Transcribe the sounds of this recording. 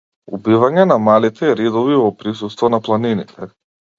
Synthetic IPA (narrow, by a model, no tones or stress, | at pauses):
ubivaɲɛnamalit̪ʰɛɾid̪ɔvivɔpɾisust̪vɔnaplˠaninit̪ʰɛ